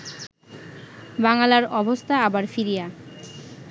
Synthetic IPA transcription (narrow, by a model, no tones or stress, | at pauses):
baŋalaɾɔbost̪ʰaabaɾfiɾija